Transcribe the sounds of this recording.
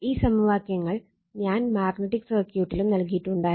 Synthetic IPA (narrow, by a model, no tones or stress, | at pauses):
iːsɐmuʋaːkjɐŋːɐɭ | ɲaːnmaːrɡnɐʈːikserkjuːʈːilumnɐlkijiʈːuɳɖaːj